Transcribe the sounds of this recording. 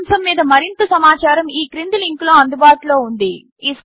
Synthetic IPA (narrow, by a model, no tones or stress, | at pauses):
msɐmːiːd̪ɐmɐɾint̪ɐsɐmaːt͡ʃaːɾɐmiːkɾind̪iliŋkloːɐnd̪ubaːʈiloːund̪i | iːs